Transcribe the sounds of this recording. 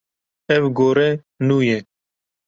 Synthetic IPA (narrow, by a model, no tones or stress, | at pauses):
ɛvɡoːɾɛ | nuːje